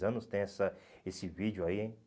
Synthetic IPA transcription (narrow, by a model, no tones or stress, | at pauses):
zɐ̃nʊst̪ẽj̃ɛsɐesɪvid͡ʒjʊaiẽj̃